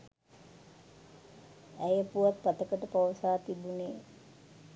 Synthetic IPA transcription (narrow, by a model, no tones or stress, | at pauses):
æjəpuʋat̪̚pat̪əkəʈəpawsaːt̪ibuneː